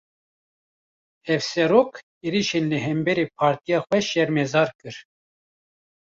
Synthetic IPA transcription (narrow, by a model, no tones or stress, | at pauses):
ɛvsɛɾoːk | eːɾiʃenlɨɦɛmbɛɾeːpʰɑːɾt̪ijɑːxʷɛʃɛɾmɛzɑːɾkɨɾ